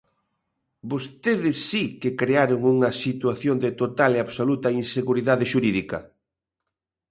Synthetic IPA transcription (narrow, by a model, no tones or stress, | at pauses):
bost̪eðɪsːikɪkɾeaɾʊŋuŋɐsit̪waθjond̪ɪt̪ot̪aleaβsolut̪ɐinseɣuɾiðaðɪʃuɾiðikɐ̰